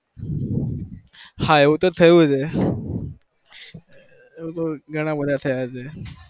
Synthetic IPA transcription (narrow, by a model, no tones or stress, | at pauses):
haeut̪ot̪ʰəjud͡ze | ut̪oɡʱəɽ̃abəd̪ʱjat̪ʰəjad͡ze